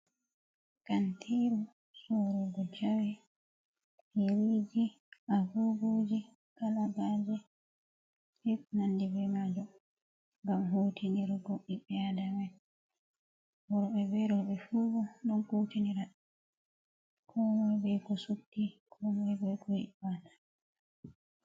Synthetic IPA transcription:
kantʰiɾu | suɾɔɡɔd͡ʒawɛ | eɾid͡ʒi | ʔaɡuɡud͡ʒi | kalabad͡ʒɛ | hiknandibɛmad͡ʒɔ | ŋɡamɦuːtʰiniɾɡoɓːiɓɛadamɛ | wɔɾɔɓɛbɛɾɔɓɛfuɡɔɗɔnkuːtiniɾa | kʰɔmɔjbɛkɔsukːikʰɔmɔjbɛkɔhibanḁ

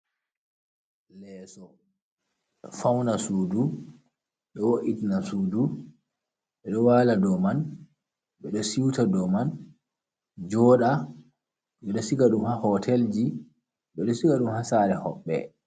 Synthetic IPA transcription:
lɛsɔ | fawnasudu | ɓɛwoʔitinasuːdu | ɓɛɗɔwaladɔman | ɓɛɗɔsiwtadɔman | d͡ʒɔːɗa | ɓɛɗɔsikaɗumhahɔtʰɛld͡ʒi | ɓɛɗɔsikaɗumhasaːɾɛhɔ̰ɓːɛ̰

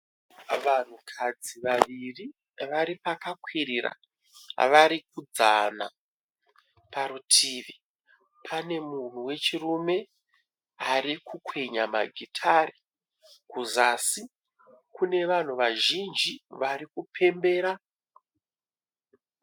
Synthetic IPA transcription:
ʋan̤ukʰad͡ziʋaʋiri | ʋaɾipakakwirira̰ | ʋaɾik̚ud͡zana̰ | paɾutʰiːʋi | pʰane̞mun̤uwe̞t͡ʃirume̞ | ɦaɾikʰukwe̞ɲama̰ɡʱitʰari | kuzasi | kune̞ʋan̤uʋaʒind͡ʒiʋaɾikupʰe̞mbe̞ːɾa

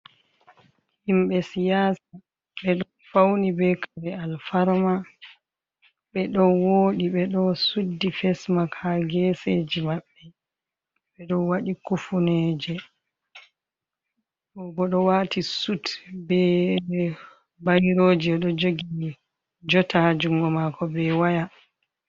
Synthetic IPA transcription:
himɓɛsijaːsa | ɓɛɗɔ | fawnibɛkʰaɾɛalfaɾma | ɓɛɗɔnwoːɗiɓɛɗɔsudːifɛsmakʰaɡɛsed͡ʒimaɓːɛ | ɓɛɗɔnwaɗikufunɛd͡ʒɛ | ɔɡɔɗɔwaːtisutbɛ | bajɾoːd͡ʒiɛɗɔd͡ʒoɡi | d͡ʒɔtad͡ʒuŋɡɔmakʰɔbɛwaja

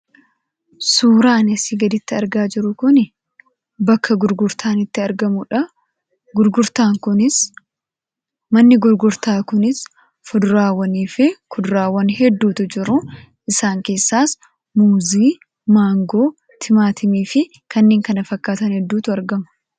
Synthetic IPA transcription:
suːɾaːnɐsiːɡɐd̪ɪt̪ːɪɐɾɡaːd͡ʒɪɾʊkʊnɪ | bɐkʰːɐɡʊɾɡʊɾt̪ʰaːnɪt̪ːɪɐɾɡɐmʊᶑɐ | ɡʊɾɡʊɾt̪aːŋkʊnɪs | mɐnːɪɡʊɾɡʊɾt̪aːkʊnɪs | fʊd̪ʊɾaːwːɐniːfɪkʊd̪ʊɾaːwːɐnɦɛd̪ːuːt̪ʊd͡ʒɪɾʊ | ʔɪsaːŋke̞ːsːaːs | muːziː | maːŋɡo̞ː | t̪ʰɪmaːt̪ʰɪmiːfɪ | kʰɐnːeːŋkɐnɐfɐkːaːt̪ɐnhɛd̪ːuːt̪ʊɐɾɡɐmɐ̥

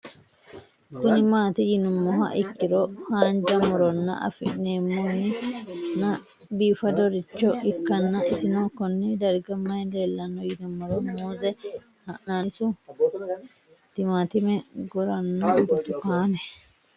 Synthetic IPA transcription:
kʊnɪmaːt̪ɛjɪnʊmːɔɦɐ̰ʔɪkːɪɾɔhaːnd͡ʒɐmɔɾɔnːɐ̰ʔɐ̰fɪnːeːmːonːɪnɐ | biːfɐd̪ɔɾɪt͡ʃːɔɪkːɐnːɐʔɪsɪnoːkɔnːɛd̪ɐɾɡɐmɐjleːlːɐnːɔjɪnʊmːɔɾɔmuːzɛ | hɐʔnasʊ | t̪ɪmaːt̪ɪmɛɡɔɾɐnːɔbʊt̪ʊkaːnɛ

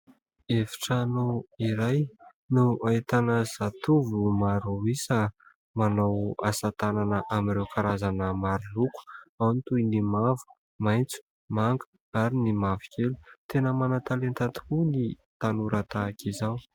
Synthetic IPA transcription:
efi̥ʈ͡ʂanoiɾaj | nuait̪anəz̥at̪uvumaɾuisə | manawa̰sat̪ananəʔamiɾewkaɾazanəmaɾuluku̥awnt̪ujnimavu̥ | majnt͡su̥ | maŋɡu̥ | aɾinimavikʲelu̥t̪enəmanat̪alent̪at̪i̥kuni | t̪anuɾat̪akizaw

